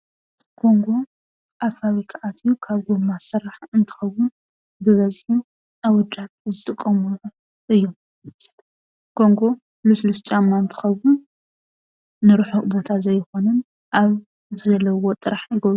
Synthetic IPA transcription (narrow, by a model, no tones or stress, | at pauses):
kʰo̞ŋɡo̞ | ʔafaβikʰaʕat̪ʰijukʰaβɡumːasɨɾaħɨnt̪ʰɨ̥xɐwːʊn | bɨβɐzħin | awɔd͡ʒat̪̚zɨt̪ʼɨkʼːɐmuʕu | ʔɨjːom | kʰo̞ŋɡo̞ | luslust͡ʃʼamːaɨnt̪ʰɨ̥xɐwːʊn | ɨɾɨħobo̞t̪ʰazɐjxo̞nɐn | ʔaβ | zɐlːɐwo̞t̪ʼɨɾaħjɪɡɐβɾu